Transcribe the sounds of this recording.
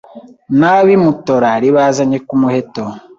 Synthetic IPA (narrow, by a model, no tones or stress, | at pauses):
naβimutoɾaɾiβaːzaɲekumuheto